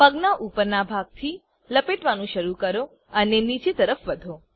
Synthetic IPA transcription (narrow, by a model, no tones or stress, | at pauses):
pəɡnaʔupəɾnabʱaɡ̚t̪ʰi | ləpeʈʋanũʃəɾukəɾo | ənenit͡ʃet̪əɾəfʋəd̪ʱo